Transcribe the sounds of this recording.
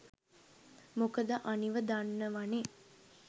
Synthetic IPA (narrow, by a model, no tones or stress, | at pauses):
mokəd̪əʔaniʋəd̪anːəʋane